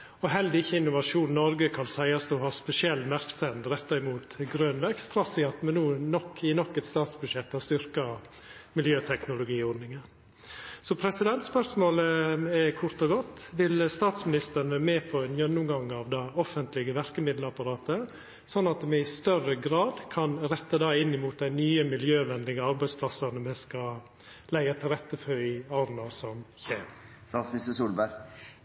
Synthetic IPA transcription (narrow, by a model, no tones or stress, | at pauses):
ɔɦɛld̪ɪçːəɪnːʊʋɑʂuːnnɔɾɡəkʰɑnsæɪɑsd̪uɦɑːspɛsɪɛlːmæɾksɛnd̪ɾɛt̪ːɑɪmuːt̪ɡɾøːnʋækst̪ʰɾɑsɪɑt̪mɛnːuːnɔkːɪnɔkːɛt̪st̪ɑːt̪sbʉd̪ʂɛt̪ːɑst̪ʏɾkɑ | mɪljøːt̪ʰɛknʊlʊɡiːɔɾnɪŋən | sɔpʰɾɛsɪd̪ɛnt̪spœɾsmoːləɛkʰʊɾt̪ɔɡɔt̪ːʋɪlst̪ɑːt̪smɪnɪst̪əɾnʋæɾmeːpʰɔænjœnːʊmɡɑŋːɑːʋd̪ɑːɔfənt̪lɪɡəʋæɾkəmɪd̪ləɑpɑɾɑːt̪ə | sɔnːɑt̪mɛɪst̪œrəɡɾɑːd̪kʰɑnɾɛt̪ːəd̪ɑːɪnːɪmuːt̪̚d̪æɪnyːəmɪljøːʋɛnlɪɡəɑɾbæɪspʰlɑsɑnəmɛskɑ | læɪɡɑt̪ʰɪlɾɛt̪ːəfœɾɪɑːɾnɑsɔmçeːmst̪ɑːsmɪsəsuːlbæ